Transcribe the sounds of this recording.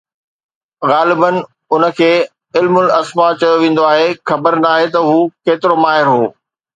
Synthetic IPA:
ɣaːlɪbən̆ | ʊnə̆kʰeː | ɪlmʊlɐsmat͡ɕɐjoʋẽːn̆d̪oaːɦexɐbəɾnaːɦet̪ɐɦuːkeːt̪ɪɾomaːɦɪɾɦoː

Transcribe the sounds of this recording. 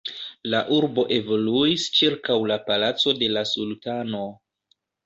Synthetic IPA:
laʔuɾbo̞ʔe̞vo̞luist͡ʃiɾkawlapalat͡so̞de̞lasultano̞

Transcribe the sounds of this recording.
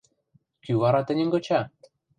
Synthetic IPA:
kyβɑɾɑt̪ɘ̆nʲɘ̆ŋɡɤ̆t͡ɕɑ

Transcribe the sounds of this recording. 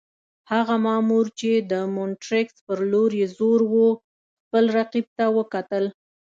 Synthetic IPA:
haɣamɑmuɾt͡ʃed̪əmʊnʈɾɪkspəɾloɾjezoɾwo | xpəlɾaqib̚t̪awəkat̪əl

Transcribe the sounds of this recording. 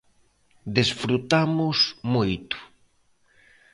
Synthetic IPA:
d̪esfɾut̪amʊsmojt̪ʊ̥

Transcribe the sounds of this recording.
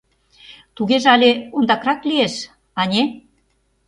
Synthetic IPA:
t̪uɣeʒeɑlʲeond̪ɑkrɑklieʃ | ɑnʲe

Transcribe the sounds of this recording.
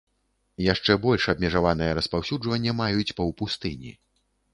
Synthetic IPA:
jaʂt͡ʂɛbɔlʲʂɐbmʲɛʐavanɨjɐɾɐspawsʲud͡ʐvɐnʲːɐmajut͡sʲpɐwpust̪ɨnʲḭ

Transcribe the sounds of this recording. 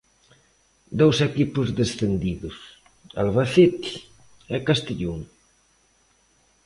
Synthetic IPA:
d̪owsɛkipʊzðesθend̪iðʊs | a̰lβaθet̪ | ɛkast̪eʎuŋ

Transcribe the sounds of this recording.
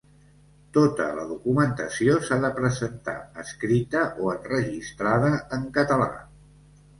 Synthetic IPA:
t̪ot̪ə̰lə̰ðukumənt̪əsiosaðəpɾəzənt̪a̰əskɾit̪əʔoənrəʒist̪ɾaðəəŋkət̪əla̰

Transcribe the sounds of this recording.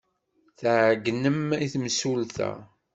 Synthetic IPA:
θəʕɡnəmiθmsulθæ̰

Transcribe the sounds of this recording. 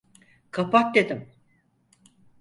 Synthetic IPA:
kʰapak̚d̪ed̪im

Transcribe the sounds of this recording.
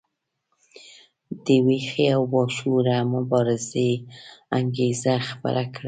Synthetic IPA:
d̪̥əwexeawːɑʃuɾamʊbɑɾɪzeaŋɡezaxabə̰ɾʔakɽa

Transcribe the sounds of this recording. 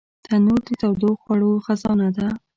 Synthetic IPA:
t̪anuɾd̪ət̪awd̪oxwaɽoxazɑnad̪a

